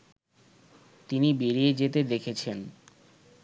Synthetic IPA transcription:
t̪inibeɾijed͡ʑet̪ed̪ekʰet͡ɕʰen

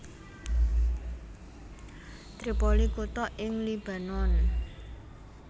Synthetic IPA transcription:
t̪ɾipɔlikut̪ɔʔɪŋlib̥a̤nɔn

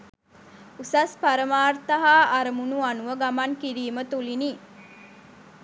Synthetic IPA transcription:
usaspaɾəmaːrt̪əɦaːɾəmunuanuʋəɡamankiɾiːmət̪ulini

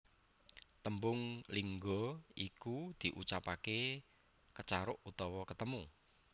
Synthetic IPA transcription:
t̪əmbʊŋliŋɡɔʔikud̪̥i̤ʔut͡ʃapake | kət͡ʃaɾʊʔut̪ɔwɔkət̪əmu

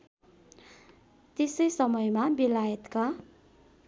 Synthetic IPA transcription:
t̪esʌjsʌmʌjmabilajʌt̪ka

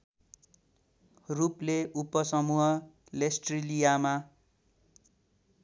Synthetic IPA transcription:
rupleupːʌsʌmuɦʌ | lesʈrilijama

